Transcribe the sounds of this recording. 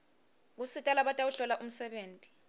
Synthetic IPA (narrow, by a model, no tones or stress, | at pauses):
k̬usitʼalaɓatʼawuɬɔlaʔum̩sɛɓeːntʼi̥